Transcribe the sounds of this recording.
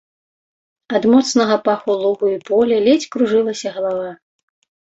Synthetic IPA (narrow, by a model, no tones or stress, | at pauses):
ad̪mɔt̪snɐɣɐpaxulˠuɣuipɔlʲɛlʲet͡sʲkɾuʐɨlˠɐsʲɐɣɐlˠava